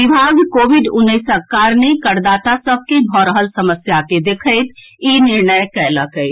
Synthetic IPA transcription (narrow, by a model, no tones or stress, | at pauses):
ibʱaɡkoʋiɖunːəɪsəkaɾnəkəɾd̪at̪asəb̚ʱkebʱɔɾəɦəlsəməsjaked̪ekʰəɪt̪ | iniɾɳəjkɛləkəɪ